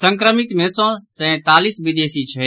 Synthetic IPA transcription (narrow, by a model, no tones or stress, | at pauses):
sə̃ŋkɾəmit̪mɛ̃ːsõːsɛ̃ːt̪aːlisʋɪd̪eːsit͡ʃʰə